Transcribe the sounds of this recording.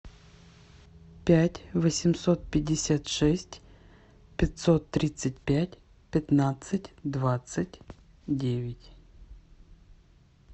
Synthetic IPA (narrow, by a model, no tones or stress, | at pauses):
pʲætʲvəsʲɪmso̞t̪̚pʲɪdʲːɪsʲat̪ʂɛsʲtʲ | pʲɪt̪sot̪ːɾʲit̪sɨt̚ʲpʲætʲ | pʲɪt̪nat̪sɨtʲd̪vat̪sɨtʲ | dʲevʲɪtʲ